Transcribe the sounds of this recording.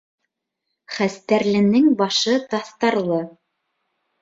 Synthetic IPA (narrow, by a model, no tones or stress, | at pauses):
χæst̪æɾlɘ̆nɘŋbɑʃɤt̪ɑθt̪ɑɾlˠɤ